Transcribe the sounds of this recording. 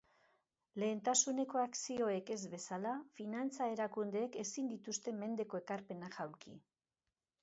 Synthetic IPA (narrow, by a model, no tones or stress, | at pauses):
le̞ːnt̪asune̞ko̞aksio̞e̞ke̞zβe̞salafinant͡sae̞ɾakund̪e̞ːkesind̪it̪ust̪e̞me̞nd̪e̞ko̞e̞kaɾpe̞naʝawɾkḭ